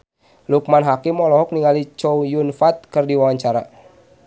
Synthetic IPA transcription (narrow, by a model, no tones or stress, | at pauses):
luk̚manɦakimɔlɔɦɔk̚niŋalit͡ʃɔujunfat̪̚kɨrdiwawaɲt͡ʃaɾa̰